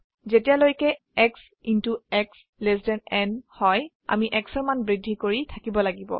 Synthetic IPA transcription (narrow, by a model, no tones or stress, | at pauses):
zetijalojkɛ | ɛks | intuɛks | lesdɛnɛnhɔj | a̰miʔɛksɔɹmanbɹidʱikoɹitʰakibɔlaɡibɔ̰